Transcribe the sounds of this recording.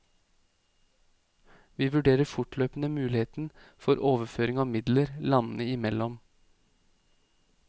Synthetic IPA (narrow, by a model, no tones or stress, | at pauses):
ʋiːʋʉɖeːɾəfʊʈløːpn̩əmʉːlɪheːt̪n̩fɔɾʔoːʋəføːɾɪŋɑːmɪd̪ləɾlɑnnəɪmɛlɔm